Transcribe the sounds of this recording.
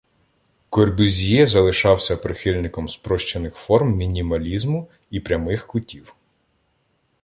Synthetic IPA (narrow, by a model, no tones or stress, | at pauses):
kɔrbʲʊzʲijɛzɐlˠɪʃɑwsʲɐpɾɪxɪlʲnɪkɔmspɾɔʃt͡ʃenɪxfɔrmmʲinʲimɐlʲizmʊ | ipɾʲɐmɪxkʊtʲiw